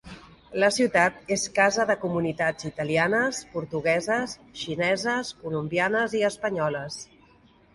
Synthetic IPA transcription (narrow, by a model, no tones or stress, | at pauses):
ləsiwt̪at̪eskazəðəkumunit̪ad͡zit̪əlianəspuɾt̪uɣ̞ɛzəsʃinɛzəskulumbianəziəspəɲɔləs